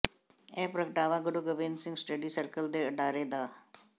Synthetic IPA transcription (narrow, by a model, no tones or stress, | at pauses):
ẽpɾəkʈaːʋãɡəɽuɡəʋeːnsɪ̃ŋɡsʈəɖiːsəɾkəld̪eəʈaːɾed̪aː